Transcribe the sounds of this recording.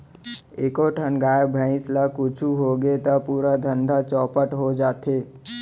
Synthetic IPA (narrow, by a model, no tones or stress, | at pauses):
eːkoʈʰənɡaːjebʱə̃ɪ̃slakut͡ʃʰuɦoɡet̪əpuːɾad̪ʱə̃nd̪ʱat͡ʃɔːpəʈɦod͡ʒaːt̪ʰe